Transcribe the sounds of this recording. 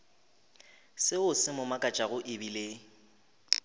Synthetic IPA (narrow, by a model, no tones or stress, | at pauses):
sɪʊsɪmʊmakʼat͡ʃʼaɣʊʔɪbile